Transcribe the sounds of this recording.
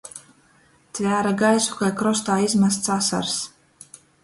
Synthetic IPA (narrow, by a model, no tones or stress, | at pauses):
t̪ʲvʲæːɾaɡajsu̥kajkɾɔs̬t̪aːizmas̬t̪sasa̰ɾs